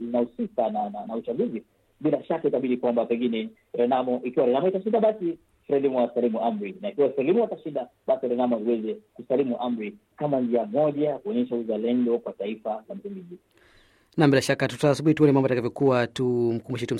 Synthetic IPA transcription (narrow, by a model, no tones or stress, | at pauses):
zinausikanananaut͡ʃaɠuzi | ɓilaʃakaitaɓiɗikwambapɛŋɡinɛ | ɾɛnamɔʔikiwaɾɛnamɔitaʃindaɓasi | fɾɛlimuasalimuʔamɾinaikiwasalimuataʃinɗaɓasiɾɛnamɔiwɛzɛkusalimuʔam̩ɾi | kamand͡ʒiamɔʄakuɔɲɛʃauzalɛndɔkwataifazam̩simbiʄi | nambilaʃakatutasuɓuhituɔnɛmambɔjatakavjɔkuwatum̩kumbuʃɛtum̩